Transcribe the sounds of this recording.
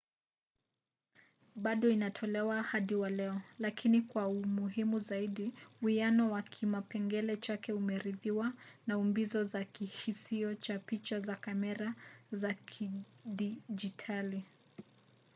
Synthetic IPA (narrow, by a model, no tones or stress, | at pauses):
ɓaɗɔinatʰɔlɛwahaɗiwalɛɔlakʰinikwaumuɦimuzaiɗiuianɔwakʰimapɛŋɡɛlɛt͡ʃakɛumɛɾiðiwanaumbizɔzakihisiɔt͡ʃapit͡ʃazakamɛɾazakʰiɗid͡ʒitʰali